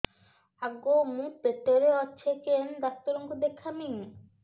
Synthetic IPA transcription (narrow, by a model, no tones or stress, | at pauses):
aɡomũpet̪oɾeɔːt͡ɕʰekend̪ak̚t̪oɾoŋɡʰʱud̪ekʰːamiŋ